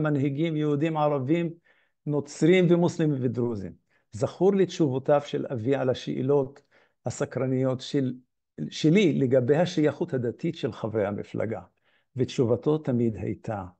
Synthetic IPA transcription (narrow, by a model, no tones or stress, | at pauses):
manɦiɡimjehud̪imʕaʁavim | no̞t͡sɾimvemuslemimved̪ɾuzḭm | zaχuɾletʃuvot̪avʃelaviʕalaʃeʔḭlo̞t̪ | hasakɾanijot̪ʃe | ʃelileɡabe̞jhaʃajaχut̪had̪at̪it̪ʃelχavʁehamifla̰ɡa̰ | vetʃuvat̪o̞t̪ːamid̪ha̰jt̪ʰa